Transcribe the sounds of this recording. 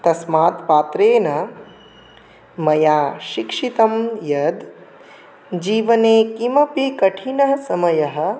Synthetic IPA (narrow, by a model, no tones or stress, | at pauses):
t̪ɐsmaːt̪paːt̪ɾeːnɐ | mɐjaːʃikʂit̪ɐmjɐd̪ | d͡ʒiːʋɐneːkimɐpikɐʈʰinɐɦɐsɐmɐjɐɦɐ̆